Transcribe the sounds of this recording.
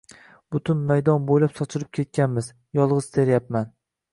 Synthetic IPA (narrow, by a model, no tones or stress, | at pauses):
b̥ʊt̪ʰʊnmajd̪ɒnbojlapsɒt͡ʃʰɪɾɪp̚kʲʰet̪̚kʲʰanmɪz | jɒlˠʁɨzd̪ʰe̞ɾjap̚man